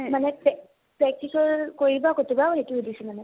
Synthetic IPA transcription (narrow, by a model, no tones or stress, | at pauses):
manɛpɛ | pɹɛk̚tisɔɹkoɹibakotubaoɦetuudisumanɛ